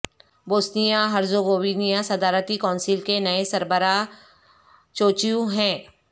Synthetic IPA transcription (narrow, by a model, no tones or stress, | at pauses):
boːsnijaɦɐɾzoɡoːʋiːnijasɐd̪aːɾt̪ikɔ̃ːnsɪlkenɐesɐɾbəɾa | t͡ʃoːt͡ʃijũɦɛ̃ː